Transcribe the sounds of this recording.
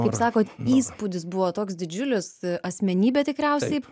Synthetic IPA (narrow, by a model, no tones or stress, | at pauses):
kɐɪpsɑːkoːt̪iːspud̪ʲɪsbʊʋoːt̪oːksd̪ʲɪd͡ʒʲʊlʲɪsɐsʲmʲɛnʲiːbʲɛt̪ʲɪkɾʲɛʊsʲɛɪ